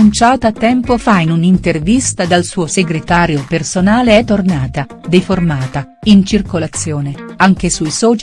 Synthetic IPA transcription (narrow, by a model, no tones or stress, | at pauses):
unt͡ʃaːt̪at̪ːɛmpofainunint̪ervist̪ad̪alsuːoseɡɾet̪aːɾjopersonaːleɛt̪ːornaːt̪a | d̪eformaːt̪a | int͡ʃirkolat̪sːjɔːneaŋk̟esujsɔːt͡ʃ